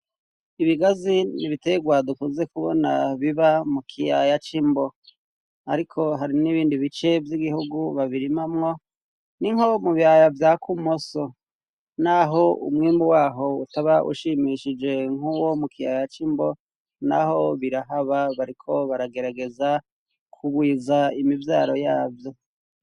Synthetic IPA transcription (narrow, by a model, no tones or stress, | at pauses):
iβiɡaziniβiteɡwadukuːnze̞kuβo̰na̰βiβamukʰija̰jat͡ʃimbo̞ | a̰ɾikʰo̞ɦaɾiniβiːndiβit͡ʃe̞vjiɡihuɡuβaβiɾimamŋo̞ | niŋhomuβiajavjakumoso̞ | naɦo̞ṵmŋiːmbuwaːɦo̞utaβaʔṵʃimiʃid͡ʒe̞ŋ̥uwo̞mukʰija̰jat͡ʃimbo | na̰ho̞βiɾaɦaβaβaɾikʰo̞βaɾaɡe̞ɾaɡe̞za | kʰuβwiːzaimivjaːɾo̞jaːvjo̞